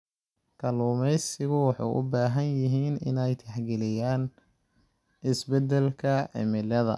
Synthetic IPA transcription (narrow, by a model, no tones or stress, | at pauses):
kʰɐluːmɛjsɪɣʊwɑħɑ̰jʔʊ̰baːɦɐnjɪɦiːnɪ̰nɛjt̪ʰɛħɡɛlɪjaːn | ʔɪsbɛd̪ɛlkʰɐʕɪ̰mɪlɐðɐ̰